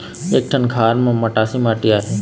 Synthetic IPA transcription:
eːk̚ʈʰənkʰaːɾmẽməʈaːsiːmaːʈiaːɦeː

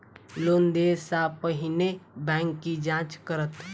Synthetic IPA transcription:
loːnd̪eːsapəɦɪnebɛ̃ːŋkːid͡ʒãːt͡ʃkəɾət̪

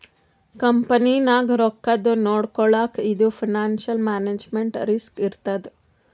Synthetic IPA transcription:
kɐmpɐninaːɡɾɔkːɐd̪unoːɽkɔɭaːkid̪upʰinaːnʃɐlmaːneːd͡ʒmeɳʈɾiskiɾt̪ɐd̪e

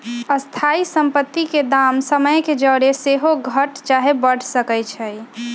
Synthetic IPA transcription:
əst̪ʰaisəmpət̪ːiked̪aːmsəməjked͡ʒəːɾeseɦoɡʱəʈt͡ʃaɦebəɽ̤səkɛjt͡ʃʰɛj

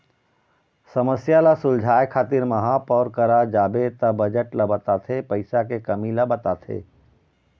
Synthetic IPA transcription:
səməsjalasʊld͡ʒʱaːjkʰaːt̪iɾmɐɦãpɔːɾkəɾad͡ʒaːbet̪abəd͡ʒəʈlabət̪at̪ʰepəɪsak̬ekəmilabət̪at̪ʰḛː

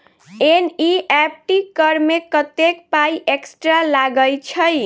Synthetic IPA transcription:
eniɛp̚ʈikʌɾmekʌt̪ekpajʔeksʈɾalaɡʌjt͡ʃʰʌj

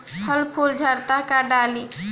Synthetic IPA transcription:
həlpʰuld͡ʒʱəɾt̪akaɖali

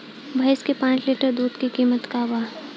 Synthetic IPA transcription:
bʱɐjskepãːt͡ʃleːʈəɾd̪uːd̪kikiːmət̪kaʋaː

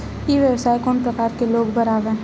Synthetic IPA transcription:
iʋjəwsaːjkoːnpɾɐkaːɾkeloːɡbɐɾaːʋẽː

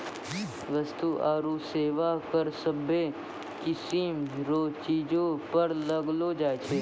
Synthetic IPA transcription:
ʋəst̪uʔaːɾuːseːʋakəɾsəbe | kɪsiːmɾoːt͡ʃiːd͡ʒõpɐɾlɐɡlod͡ʒaːet͡ʃʰeː

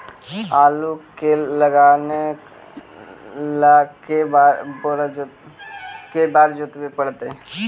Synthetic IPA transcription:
aːlukeləɡaːne | lakebaɾboɾd͡ʒ | kebaːɾd͡ʒʊt̪bepəɽt̪e

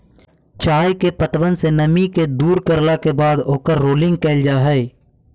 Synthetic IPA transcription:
t͡ʃaːjkepət̪ʋənsenəmiked̪uːɾkəɾlakebaːd̪oːkəɾːoːlɪ̃ŋɡ̚keːld͡ʒaːɦɛe

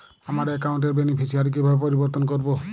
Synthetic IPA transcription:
amaɾɛkaʊnʈ̬ɛbenepʰisiaɾik̬ibʱabpɔɾibɔɾt̪ɔnkɔɾbɔ

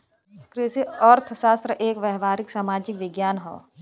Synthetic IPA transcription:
kɾɪsiɔːɾt̪ʰʃaːst̪ɾəʔeːkʋɛɦʋaːɾɪksaːmaːd͡ʒɪkʋɪɡjaːnɦo̰ː

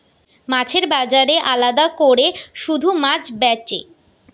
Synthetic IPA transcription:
mãt͡ɕʰeɾbad͡ʑaɾeʔalad̪akoɾeʃud̪ʱumãt͡ɕbɛt͡ɕḛ

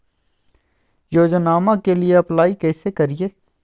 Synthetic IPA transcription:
joːd͡ʒnaːmãkelieɐplaːikɛːsekɐɾieː

